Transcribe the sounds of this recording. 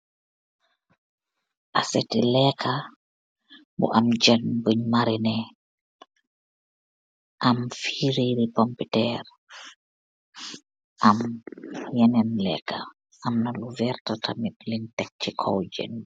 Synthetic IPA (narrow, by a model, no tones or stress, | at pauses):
ʔasɛtɛlɛkʰa | bɔ̰ʔamd͡ʒanɡoɲmaɾinɛ | ʔamfiɾiɾipɔmpitɛɾ | ʔam | jɛnɛnlɛ̰ka̰ | ʔamnaluvɛɾtatʰamiklintɛk̚t͡ʃikʰɔ̰wd͡ʒɛ̰n